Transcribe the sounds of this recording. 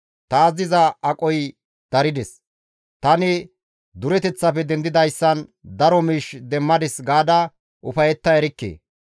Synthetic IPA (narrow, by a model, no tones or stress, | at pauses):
t̪ɐzɪzɐɐkʼɔj | d̪̥ɐɾɪd̪ɛs | t̪ɐnɪ | d̪ʊɾɛt̪ɛt͡sːɐpɛd̪ɛnd̪ɪd̪ɐjsːɐnd̪ɐɾɔmiːʃd̪ɛmːɐd̪ɪsɡaːd̪ɐ | ʔʊfɐjɛt̪ːɐɛɾɪkːḛː